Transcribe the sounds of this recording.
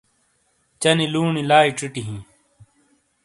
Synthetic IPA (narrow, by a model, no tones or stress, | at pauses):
t͡ɕɐniluːɳilaːiʈ͡ʂiʈiɦĩː